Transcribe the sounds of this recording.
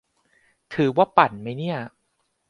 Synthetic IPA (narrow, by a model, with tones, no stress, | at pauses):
t̪ʰɯː˩˦waː˥˩pa˨˩nma˥˩jni˥˩ɐ